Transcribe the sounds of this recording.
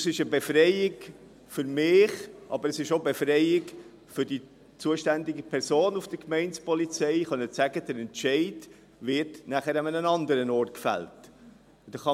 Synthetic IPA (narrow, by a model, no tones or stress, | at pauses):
sɪʃəbefrɛɪɪɡ | fʏɾmɪːχʔɑ̰bəɾɛsɪʃobefrɛɪɪɡ | fʏɾd̥i | t͡suəʃtændɪɡəpʰɛɾsoːnufd̥əkmɛɪnt͡spɔlit͡sɛɪχœnːət͡sæɡ̥əd̥əɾɛntʃɛɪd | vɪtnæχəɾəmənənɑndəɾənɔrt̚kfæ̰lt | d̥̪ɑχɑ